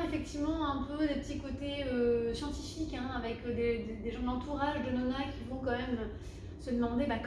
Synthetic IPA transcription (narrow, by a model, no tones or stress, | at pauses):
efɛk̚t̪ivmɑ̃ɛ̃pød̪epət̪ikot̪eøsjɑ̃t̪ifikɛ̃avɛkød̪ed̪ed̪eʒɑ̃d̪lɑ̃t̪uʁaʒd̪ənɔnakʲʰivɔ̃kɑ̃mɛmø | səd̪əmɑ̃d̪ebak